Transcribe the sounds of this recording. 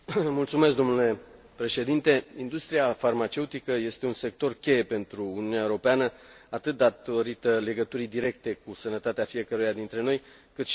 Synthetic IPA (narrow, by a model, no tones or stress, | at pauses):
mult̪sume̞sk̚d̪o̞mnule̞ | pɾe̞ʃe̞d̪int̪e̞ind̪ust̪ɾiafarmat͡ʃe̞ut̪ikəje̞st̪eunse̞k̚t̪o̞rkʲe̞je̞pe̞nt̪ɾuːniunʲeaewɾo̞peanəat̪ɨt̪̚d̪at̪o̞ɾit̪əle̞ɡət̪uɾid̪iɾe̞k̚t̪e̞kusənət̪at̪eafije̞kəɾujad̪int̪ɾe̞no̞jkɨt̪ʃ